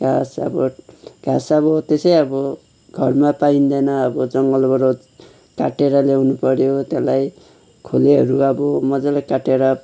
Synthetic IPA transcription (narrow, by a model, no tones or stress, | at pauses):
ɡ̥ʱasʌ̰bʌɡ̥ʱasʌbʌt̪esʌjʌbʌ | ɡʱʌrmapaind̪ʌnʌʌbʌd͡zʌŋɡʌlbʌɾo | kaʈeɾʌlewnupʌɾjot̪elaj | kʰoleɦʌɾuʌbʌmʌd͡zʌlakaʈeɾʌ